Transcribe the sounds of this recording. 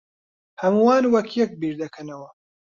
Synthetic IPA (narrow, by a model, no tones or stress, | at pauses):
hɐmuwaːnwɐkʰjɛk̚biːɾd̪ɐkʰɐnɐwɐ